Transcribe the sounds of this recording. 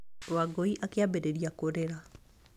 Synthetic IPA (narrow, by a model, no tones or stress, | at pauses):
waɡɔiʔakeabeɾeɾiakoɾeɾa